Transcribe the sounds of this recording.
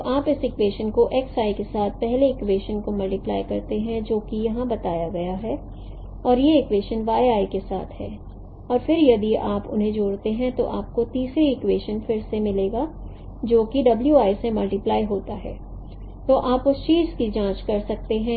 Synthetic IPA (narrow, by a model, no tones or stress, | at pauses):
ʔaːpɪsɪkʋeːʃənkoʔeːksaːikesaːt̪̚ʰpɛɦleɪkweːʃənkomɐlʈɪplaːjkɐɾt̪eɦɛ̃d͡ʒoːkijɐɦãbɐt̪aːjaɡɐjaɦɛ | ɔːɾjeɪkweːʃənʋaːjaːikesa̰ːt̪ʰɦɛ̰ː | ɔːɾfɪɾjɐd̪iaːpʊ̰nɦẽd͡ʒoːɽt̪eɦɛ̃t̪o̰ʔaːp̚kot̪iːsɾiɪkweːʃənfɪɾsemɪleːɡaː | d͡ʒoːkiɖɐbljuaːjsemɐlʈɪplaːiɦoːt̪aɦɛ̰ː | t̪oːʔaːpʊst͡ʃiːɾskid͡ʒãːt͡ʃkɐɾsɐk̚t̪eɦɛ̃